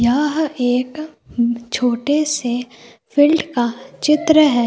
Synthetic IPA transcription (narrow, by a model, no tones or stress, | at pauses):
jaːɦeːk | t͡ʃʰoːʈese | pʰɪlɖkat͡ʃɪt̪ɾəɦɛː